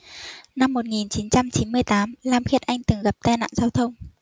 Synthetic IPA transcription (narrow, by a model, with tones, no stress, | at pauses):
na˧mːo˨˩t̚ŋi˨˩nt͡ɕi˨˦nt͡ɕa˧mt͡ɕi˨˦nmɨ˧əjt̪aː˨˦mlaː˨˧mxi˧˩ət̚ʔa˧jŋ̟t̪ɨ˨˩ŋɣa˨˩p̚t̪aː˧jna̰ː˧˨nzaː˧wt̪ʰə˧wŋ͡m